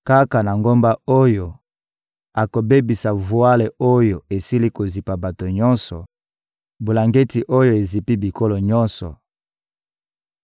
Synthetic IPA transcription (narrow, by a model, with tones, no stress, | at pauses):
ka˦ka˨na˨ŋɡo˦mba˦o˦jo˨ | a˨ko˨be˦bi˨sa˨vu˨a˦le˨o˦jo˨e˨si˦li˦ko˨zi˨pa˨ba˨to˨ɲɔ̃˦nsɔ̰˨ | bo˨la˨ŋɡe˦ti˨ʔo˦jo˨e˨zi˨pi˦bi˨ko˦lo˨ɲɔ˦nsɔ̰˨